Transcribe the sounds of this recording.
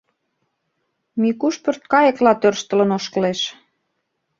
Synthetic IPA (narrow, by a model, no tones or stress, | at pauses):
mikuʃpørt̪̚kɑjə̆klɑt̪ørʃt̪ə̆lə̆noʃkəleʃ